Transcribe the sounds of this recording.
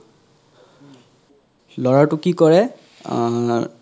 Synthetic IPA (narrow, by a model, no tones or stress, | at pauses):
lɔɹaɹtʊkikɔɹɛ